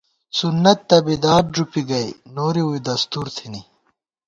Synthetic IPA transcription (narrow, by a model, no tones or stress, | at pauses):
sunːɐt̪ːɐbid̪aːɾ̚d͡ʑupiɡɐjnoːɾiujd̪ɐst̪uːɾt̪ʰini